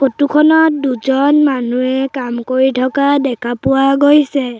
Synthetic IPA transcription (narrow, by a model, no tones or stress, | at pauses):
xotukʰɔnɔt̚duzɔnmanuɛkamkoɹitʰɔkadɛkʰapʊwaɡojsɛ